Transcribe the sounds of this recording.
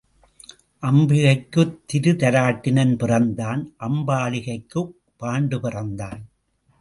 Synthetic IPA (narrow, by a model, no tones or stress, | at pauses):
ʔɐmbɪɣɐɪkːɯt̪ːɪɾɯt̪ɐɾaːʈːɪnɐnpɪrɐnd̪aːnʔɐmbaːlɪɣɐɪkːɯ | pːaːɳɖɯpɪrɐnd̪aːn